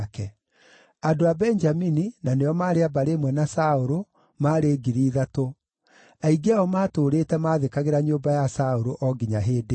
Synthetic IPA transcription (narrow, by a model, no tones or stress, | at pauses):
kɛ | adoabɛɲd͡ʒamininaneɔmaːɾeabaɾemwɛnasaoɾo | maːɾeɡiɾiːðato | aiɡeaɔmaːtoːɾeːtɛmaːðekaɣeɾaɲoːbajasaoɾoʔɔɡiɲaɦeːde